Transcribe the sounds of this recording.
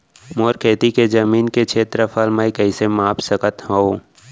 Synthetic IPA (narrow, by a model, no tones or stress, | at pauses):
moːɾkeːt̪iked͡ʒɐmiːnket͡ʃʰeːt̪ɾəfʰalmaikɛɪsemaːpsəkət̪ɦoo